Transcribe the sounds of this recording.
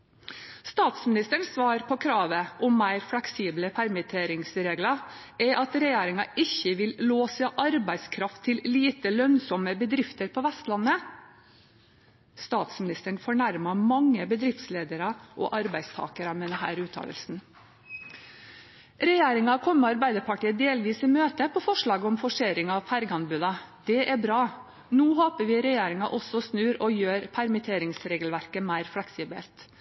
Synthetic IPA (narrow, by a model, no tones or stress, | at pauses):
st̪ɑːt̪smɪnɪst̪əɳssʋɑːɾpʰɔkʰɾɑːʋəʔʊmːæɪɾflɛksiːbləpʰæɾmɪt̪ʰeːɾɪŋsɾeːɡlɑ | ɛʔɑt̪ɾɛjeːɾɪŋɑɪçəʋɪlloːsəʔɑɾbæɪskʰɾɑft̪ʰːɪlliːt̪əlœnsɔməbəd̪ɾɪft̪əɾpʰɔʋæst̪lɑnːə | st̪ɑːt̪smɪnɪst̪əɳfɔɳæɾmɑmɑŋːəbəd̪ɾɪft̪sleːd̪əɾɑʔɔ̰ʔɑɾbæɪd̪st̪ʰɑ̰ːkəɾɑmɛːd̪ɛɦæ̰ːɾʉːt̪ʰɑ̰ːlə̰lsn̩ | ɾɛjeːɾɪŋɑkʰɔmːəɑɾbæɪd̪əɾpʰɑʈiːəd̪eːlʋiːsɪmøːt̪əpʰɔfɔʂɭɑːɡəɔmfɔʂeːɾɪŋɑʋfæɾɡɑnbʉːd̪ɑd̪̥ɛʔæbɾɑː | nuːhoːpəʋɪɾɛjeːɾɪŋɑʔɔsɔsnʉːɾɔjøːɾpʰæɾmɪt̪ʰeːɾɪŋsɾeːɡəlʋæɾkəmæɪɾflɛksiːbɛ̰lt̪